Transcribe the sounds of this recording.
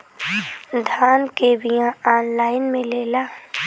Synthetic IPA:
d̪ʱaːnkeːbijãaːnlaːɪnmẽleːlaː

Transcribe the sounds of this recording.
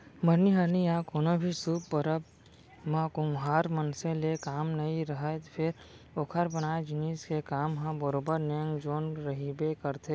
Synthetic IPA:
məɾniɦəɾnijãkoːnõbʱisubːəɾəb̚ | mãkʊmɦaːɾmənsẽlekaːmnɐiɾəɦət̪pʰɪɾ | okʰəɾbənaːed͡ʒɪniːskekaːmɦãbəɾoːbəɾnɪjə̃ŋɡd͡ʒoːnɾəɦibekəɾt̪ʰe

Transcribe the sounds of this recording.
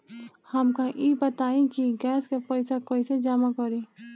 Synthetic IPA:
həmkãʔiːbət̪aːĩkiɡɛːskepəɪsakoːised͡ʒaːmakɔɾi

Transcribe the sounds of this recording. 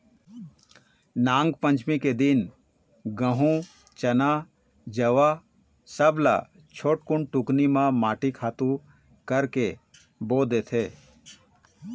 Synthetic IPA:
nãːŋɡpə̃ɲt͡ʃmiked̪ɪn | ɡə̃ɦũ | t͡ʃəna | d͡ʒəʋa | səbla̰ | t͡ʃʰoːʈkʊɳʈʊknimãmaːʈikʰaːt̪ũ | kəɾke | boːd̪et̪ʰeː

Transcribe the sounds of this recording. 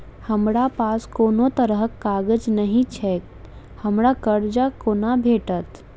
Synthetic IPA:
həmɾapaːskoːnot̪əɾəɦkːaːɡəd͡ʒnəɦĩt͡ʃʰɛk | həmɽakəɾd͡ʒakoːnabʱeːʈət̪

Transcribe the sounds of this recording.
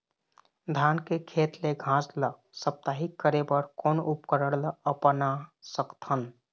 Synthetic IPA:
d̪ʱaːnkekʰeːt̪leɡʱãːslə | səp̚t̪aɦikəɾebəɾkɔːnʊpkəɾəɽləəpnasəkt̪ʰən

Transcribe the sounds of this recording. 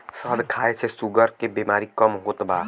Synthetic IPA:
səd̪kʰaːet͡ʃʰesuɡəɾkebeːmaːɾikəmɦot̪baː

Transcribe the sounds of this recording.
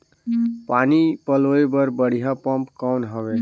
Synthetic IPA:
panipəloebəɾbəɽ̤ijapəmpkawnɦəbe

